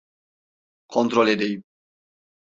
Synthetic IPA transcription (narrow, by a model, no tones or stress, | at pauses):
kʰont̪ɾoled̪ej